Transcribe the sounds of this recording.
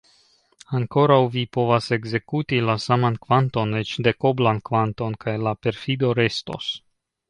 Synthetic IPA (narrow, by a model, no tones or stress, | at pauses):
aŋko̞ɾawvipo̞vase̞ɡze̞kutilasamankvanto̞net͡ʃde̞ko̞blankvanto̞nkʰajlape̞ɾfido̞ɾe̞sto̞̰s